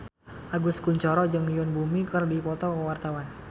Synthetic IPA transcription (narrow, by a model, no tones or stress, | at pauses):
ʔaɡʊskuɲt͡ʃɔɾɔd͡ʒɨŋjʊnbumikɨrdipɔt̪ɔkəwart̪awan